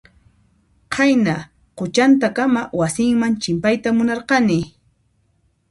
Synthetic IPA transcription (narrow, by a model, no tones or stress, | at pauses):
qʰajna | qʊt͡ʃant̪akamawasɪŋmant͡ʃɪmpajt̪amʊnɑɾqɑnɪ